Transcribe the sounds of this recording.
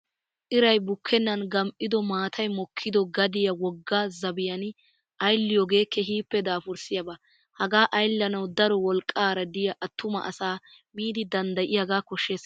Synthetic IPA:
ʔɪɾɐjbʊkʰːɛnːɐnɡɐmʔɪd̪ɔmaːt̪ʰɐjmɔkʰːɪd̪ɔɡɐd̪ɪjɐwɔɡːaːzɐbɪjɐn | ʔɐjlːɪjɔɡe̞ːkːɛɦiːpːɛd̪aːfʊɾsɪjɐbɐ | hɐɡaːʔɐjlːɐnɐwd̪ɐɾɔwɔlkʼːaːɾɐd̪ɪjɐʔɐt̪ːʊmɐ̰ʔɐsaː | miːd̪ɪd̪ɐnd̪ɐʔɪjaɡaːkɔʃːeːs

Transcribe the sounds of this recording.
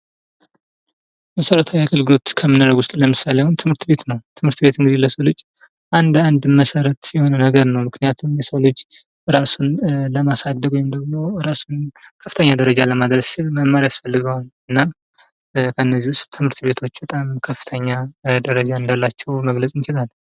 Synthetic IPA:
məsəɾət̪ʰawjaɡɨlɡo̞t̪kʰəmɨnɨɾəɡwʊst̪ʼləmɨsaleawʊnt̪ʰɨmhɨɾt̪be̞t̪nəwt̪ʰɨmhɨɾt̪be̞t̪ɨŋɡɨziləsolɨd͡ʒ | ʔand̪and̪məsəɾət̪sijɛho̞nənəɡəɾnəwmɨkʰnijat̪ʰumjɛsolɨd͡ʒ | ɾasunləmasad̪ːəɡojɛmd̪əɡmo̞ɾasunkʰəfːɨt̪ʰəɲːad̪əɾəd͡ʒaləmad̪ɾəsɨlməmaɾiasfəlːɨɡəwalɨnːa | kʰəɨnːəziwʊst̪tʰːɨmhɨɾt̪be̞t̪ʰo̞t͡ʃːbət̪ʼamkʰəfːɨ̥t̪ʰəɲːad̪əɾəd͡ʒaɨnd̪alːat͡ʃːɛwməɡləsʼnt͡ʃɪlal

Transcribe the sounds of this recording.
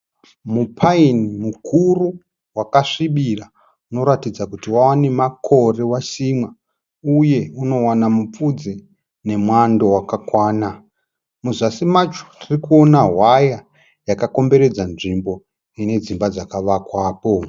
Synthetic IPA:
mupʰainimukuru | wakaʂiɓira | uno̞ɾatid͡zakutiwawane̞makʰo̞re̞waʃimwa | uje̞uno̞wanamup͡fud͡ze | ne̞mwandowakakwaːna | muzasimat͡ʃo̥ririkuo̞naɦwaja | jakako̞mbe̞ɾe̞d͡zanʐimbo̞ | ine̞d͡zimbad͡zakaʋakwaːpo̞

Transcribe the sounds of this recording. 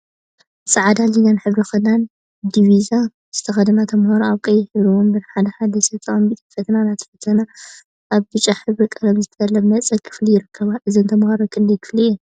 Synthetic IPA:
sʼɨʕad̪alinanħɨβɾixɐnan | d̪iβiza | z̥ɨt̪ʰɐxɐd̪ɐnat̪ʰɐmhaɾoaβkʼɐjɪhɨɾuwombɨnħad̪ɐħad̪ɐsɐt͡s̪ʼɐɐmbit̪ʼifɐt̪ʰnanat̪ʰɐ̥fɐt̪ʰːɐna | ʔaβbɨt͡ʃʼːaħɨβɾikʼɐlɐmzɨt̪ʰɐɐlːɐmmɐt͡sʼɐkʰɨ̥flijɪɾɨkʰːɐβaʔɨzɨnt̪ʰɐmhɐɾokʰʼɨnd̪ɐjkʰɨ̥flijɛ

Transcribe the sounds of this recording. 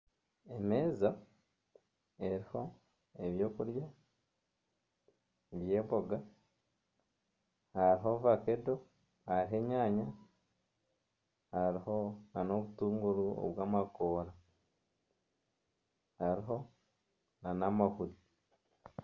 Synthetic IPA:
emeːza | e̞ɾiho̞ | eβjo̞ːkuɾja | βje̞ːmβbo̞ɡa | haɾiɦo̞ːvakedo̞ | haɾiɦe̞ɲaːɲa | haɾiho̞nano̞βutuːŋɡuɾuo̰βwaːmakoːɾa | haɾiɦo̞ | nanamahuɾi

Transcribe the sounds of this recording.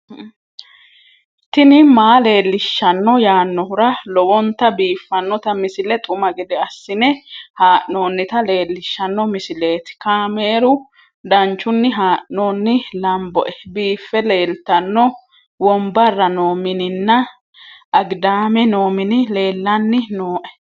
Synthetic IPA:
t̪ɪnɪmaːle̞ːlːɪʃːɐnːɔjaːnːɔhʊɾɐlɔwɔnt̪ːɐbiːfːɐnːɔt̪ɐmɪsɪlɛt̪ʼʊmɐɡɛd̪ɛɐsːɪnɛhaːʔno̞ːnːɪt̪ɐle̞ːlːɪʃːɐnːɔmɪsɪle̞ːt̪ɪ̥kaːme̞ːɾʊ | d̪ɐnt͡ʃːʊnːɪɦaːʔnoːnːɪlɐmbɔ̰ʔɛbiːfːɛle̞ːlt̪ɐnːɔ | wɔmbɐrːɐnoːmɪnɪnːɐ | ʔɐɡd̪aːmɛno̞ːmɪnɪle̞ːlːɐnːɪnoːʔɛ̥

